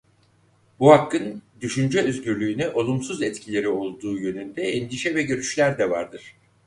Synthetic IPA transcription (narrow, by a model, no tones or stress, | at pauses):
buhakːɯnd̪yʃynd͡ʒɛøzɟyɾlʲyːnɛʔo̞lˠumsuzɛt̪cʰilʲe̞ɾio̞lˠd̪uːjø̞nynd̪ɛɛnd̪iʃɛvɛɟø̞ɾyʃlʲæɾd̪ɛva̰ɾd̪ɯɾ̥